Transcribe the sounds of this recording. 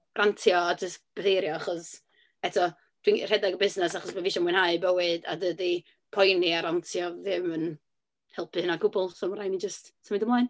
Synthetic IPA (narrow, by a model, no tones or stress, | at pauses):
rʔantʰjɔad͡ʒəstb̥əθejɾjɔaχɔs | ɛtʰɔ | d̥wir̥ɛdɛɡɔbɪznɛsaχɔsbɛviʃɔmwɪɨnhajbəwɨda̰dədi | pʰɔjniaɾantʰjɔðɪmən | hɛlˠpʰɨnaɡʊbʊlˠsoːmɾajnid͡ʒəstsʰamidəmlˠajn